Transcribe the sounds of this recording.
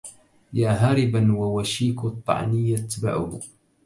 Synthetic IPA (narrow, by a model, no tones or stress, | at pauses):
jaːɦaːɾɪbanwawaʃiːkt̪ˤːɑ̰ʕnɪjːat̪ːba̰ʕʊ̰h